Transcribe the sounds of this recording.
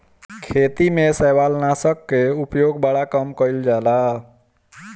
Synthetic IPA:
kʰet̪imesəwalnasəkːeupjoɡbaɽakəmkəild͡ʒala

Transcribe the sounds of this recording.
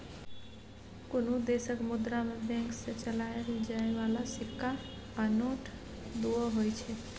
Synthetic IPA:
konod̪esəkmud̪ɾamebɛ̃ŋksẽt͡ʃəlajɾid͡ʒaebalasikːaː | noʈʰ | d̪uəɦojt͡ʃʰɛ

